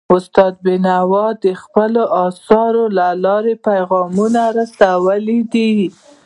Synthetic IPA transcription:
ʊst̪ɑd̪̚bɪnawɑd̪əxpəloʔɑsɑɾolalɑɾepajɣɑmunaɾasawəlid̪i

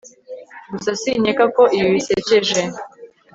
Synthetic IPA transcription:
ɡusasiɲekakoʔiwiseceʒe

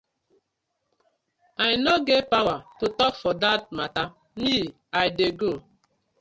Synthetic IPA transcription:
aɪnoɡevpawatotɔkfɔdat̚mata | mi | ajdeɡo

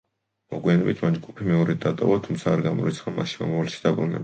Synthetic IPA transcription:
mɔɡwianɛbit̪ʰmand͡ʒɡupʰimɛɔɾɛd̪at̪ʼɔ̰vat̪ʰumt̪sʰaːɾɡamɔ̰ɾit̪sʰχamaʃimɔmɔvalɛʃi̥d̪̥abɾunɛ̰b

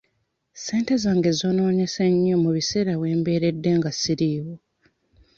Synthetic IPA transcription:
se̞ːnte̞zaːŋɡe̞zoːno̞ːɲe̞seɲːomuβise̞ːɾaβwe̞ːmbe̞ːɾe̞dːe̞ŋɡasiɾiːwo

